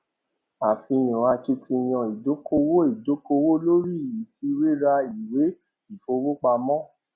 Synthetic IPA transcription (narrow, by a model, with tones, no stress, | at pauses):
a˨fi˧j̃ɔ̃˨a˧t͡ʃi˧ti˧j̃ɔ̃˧˨i˨do˨˦ko˧wo˦i˨do˨˦ko˧wo˦lo˦ɾi˦˨ji˨˦ti˧˦ɾe˦ɾa˧i˨we˨˦ | i˨fo˧wo˦k͡pa˧mɔ̃˦